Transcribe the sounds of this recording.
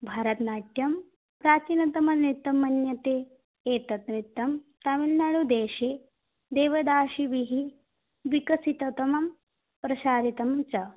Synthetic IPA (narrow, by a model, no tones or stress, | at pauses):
bʱaːɾɐt̪naːʈjɐm | pɾaːt͡ʃinɐt̪ɐmɐnɾit̪ːɐmɐnjɐt̪eː | eːt̪ɐt̪ɾit̪ːɐmt̪ɐmilnɐɭud̪eːʃeː | d̪eːʋɐd̪aːʃiʋiɦi | ʋikɐsit̪ɐt̪ɐmɐm | pɾɐʃaːɾit̪ɐmt͡ʃɐ